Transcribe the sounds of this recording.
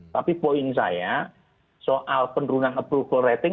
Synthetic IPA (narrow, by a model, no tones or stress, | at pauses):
t̪apipoinsa̰ja | sɔʔalpənrunaŋəpɾubərɛt̪ɪ